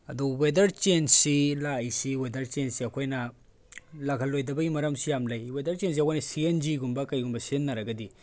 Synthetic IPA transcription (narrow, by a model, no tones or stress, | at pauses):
ɐduwedɐɾt͡ʃensilajsiwedɐɾt͡ʃensiɐkʰojnɐ | lɐɡʰʱɐlːojdɐbɐimɐɾɐmsijamlɐjwedɐɾt͡ʃens̬iɐkʰojnɐsiend͡ʒiɡumbɐkɐjɡumbɐsienːɐɾɐɡɐdi